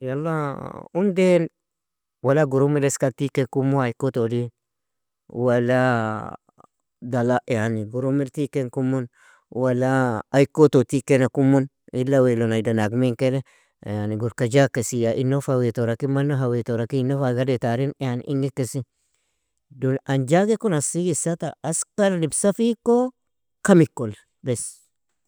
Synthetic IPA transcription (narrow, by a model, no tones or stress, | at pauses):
jalːaunden | walaɡuɾumiɾeskatikekumuaikːotodi | walːa | dalajaniɡuɾumiltikeŋkumːun | walaːjkototikenakumːun | ilːawelonajdanaɡmiŋkele | janiɡuɾkad͡ʒakːesijaʔinːofawet̪oɾakimanːoɦawet̪oɾakinːofaɡadet̪aɾinjanḭʔiŋɡikːesi | donand͡ʒaɡekonasiɡisat̪aːskaɾlibsafiko | kamikːol | bes